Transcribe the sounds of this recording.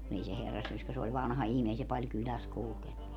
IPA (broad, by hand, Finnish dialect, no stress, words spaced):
kun ei se herːɑsːyøskæ se olʲ ʋɑnhɑ ihmiː ei se pɑlʲ kylæs kulkenːu